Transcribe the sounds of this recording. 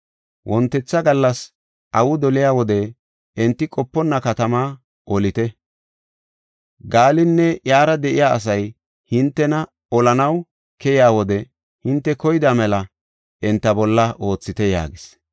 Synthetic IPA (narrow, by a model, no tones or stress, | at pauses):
wʔɔnt̪ːɛt͡sːɐɡɐlːɐs | ʔɐwʊd̪ɔlɪjaːwɔd̪ɛː | nt̪ːɪkʼɔpːɔnːɐkɐt̪ɐmaː | ʔɔlɪt̪ɛ | ɡaːlɪnːɛjaːɾɐd̪ɛʔɪjaːɐ̰s̬ɐj | hɪnt̪ːɛnɐ | ɔlɐnɐw | kɛjɪaːwɔd̪ɛ | hɪnt̪ːɛkɔjd̪aːmɛlɐ | ɛnt̪ːɐbɔlːɐʔo̞ːt͡sːɪt̪ɛja̰ːɡɪs